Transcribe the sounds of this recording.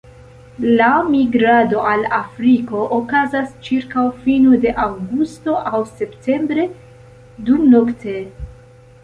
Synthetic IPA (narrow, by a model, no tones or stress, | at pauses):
lamiɡɾado̞ʔalafɾiko̞ʔokazast͡ʃiɾkawfinude̞ʔawɡusto̞ʔawse̞ptʰe̞mbɾe̞ | dumnoktʰe̞